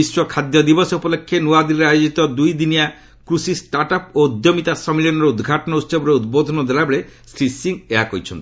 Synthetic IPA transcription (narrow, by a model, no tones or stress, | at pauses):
iswɔkʰad̪jɔd̪ibɔsupɔlekʰːenuad̪iɾɾajod͡ʒit̪ɔd̪ujd̪inija | kɾusisʈaɾʈap̚od̪jomit̪asɔmilɔnɔɾeud̪ɡʱaʈɔnɔut̪sɔbɔɾeud̪̚bod̪ʱɔnɔd̪elabeɭesɾisiŋeɦakoɾit͡ʃʰɔnt̪i